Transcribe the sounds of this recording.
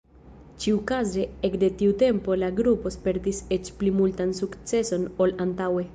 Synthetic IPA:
t͡ʃiukazeekde̞tiute̞mpo̞laɡɾupo̞spe̞ɾtiset͡ʃplimultansukt͡se̞so̞no̞lantawe̞

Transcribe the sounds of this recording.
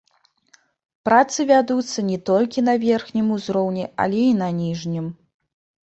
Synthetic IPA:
pɾat̪sɨvʲad̪ut̪sːɐnʲɛt̪ɔlʲkʲinɐvʲɛrxnʲimuzɾɔwnʲɛa̰lʲɛinɐnʲiʐnʲim

